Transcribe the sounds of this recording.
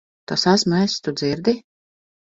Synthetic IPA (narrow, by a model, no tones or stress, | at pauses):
t̪ɔsasmɛst̪ud̪ziɾd̪i